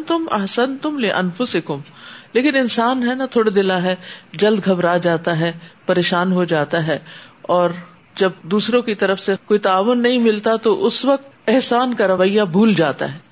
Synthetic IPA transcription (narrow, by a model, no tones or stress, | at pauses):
t̪ʊmɐ̰ɦsɐnt̪ʊmlɪʔɐ̰nfʊsɪkʊmleːkɪnɪnsaːnɦɛnat̪ʰoːɽad̪ɪlaɦɛd͡ʒɐld̪ɡʱɐbɾad͡ʒaːt̪aɦɛpɐɾeːʃaːnɦod͡ʒaːt̪aɦɛːɔːɾ | d͡ʒɐb̚d̪uːsɾõkit̪ɐɾəfsekoːit̪aːʋʊnːɐɦĩmɪlt̪at̪oʔʊsʋɐk̚t̪ɛɦsaːnkaɾɐʋəijabʱuːld͡ʒaːt̪a̰ɦɛː